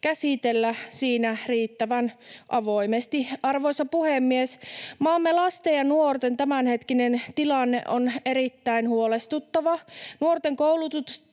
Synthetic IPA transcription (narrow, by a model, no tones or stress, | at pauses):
kæsit̪elːæsiːnæriːt̪ːæʋænʔɑʋoimest̪iɑrʋoisɑpuhemːiesmɑːmːelɑst̪ejɑnuort̪ent̪æmænhet̪kinent̪ilɑnːḛʔoneɾit̪ːæinhuolest̪ut̪ːɑʋɑnuort̪eŋkowlut̪ut̪